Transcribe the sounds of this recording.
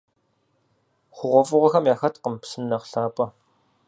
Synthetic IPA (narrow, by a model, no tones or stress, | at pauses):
χʷʊʁʷɔfʼʊʁɐxɐmjaːxɐtqəmpsɨnːɐqɬaːpʼɐ